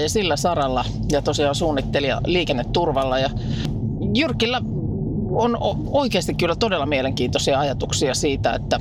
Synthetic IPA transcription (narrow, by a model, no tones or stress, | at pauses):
jɑsilːæsɑrɑlːɑ | jɑt̪osiɑːnsuːnːit̪ːeliɑ̰liːkenːet̪t̪urʋɑlːɑjɑ | jyrkilːæ | ono | oikeːst̪ikkylːæt̪odelːɑmieleŋkiːnt̪osiɑɑjɑt̪uksiɑsiːt̪æḛt̪ːæ